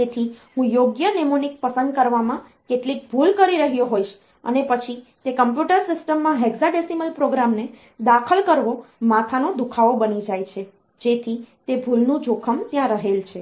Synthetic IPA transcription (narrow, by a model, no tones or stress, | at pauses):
d͡ʒet̪ʰiɦũjoɡjənemunik̚pəsə̃nd̪̚kəɾʋamã | keʈlik̚bʱulkəɾiɾəɦjoɦoiʃ | ə̰nepət͡ʃʰit̪ekəmpjuʈəɾsɪsʈəmːãɦeɡzaɖesiməlpɾoɡɾamne | d̪akʰəlkəɾʋomat̪ʰanod̪ukʰaobənid͡ʒajt͡ʃʰe | d͡ʒet̪ʰit̪ebʱulnũd͡ʒʱokʰəmt̪jãɾəɦelt͡ʃʰe